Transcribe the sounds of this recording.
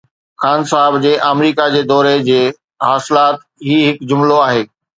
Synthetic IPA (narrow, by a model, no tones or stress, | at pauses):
xaːnsaːɦɪbd͡ʑeːʔamɾiːkad͡ʑeːd̪ɔːɾed͡ʑeː | ɦaːsɪlaːt̪ | ɦiːɦɪkd͡ʑʊmloaːɦeː